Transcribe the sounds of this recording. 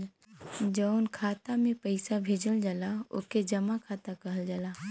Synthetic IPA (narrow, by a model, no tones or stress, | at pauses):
d͡ʒəʊnkʰaːt̪amẽpəɪsabʱeːd͡ʒəld͡ʒalaʊ̰ked͡ʒɐmakʰaːt̪akɐɦəld͡ʒalaː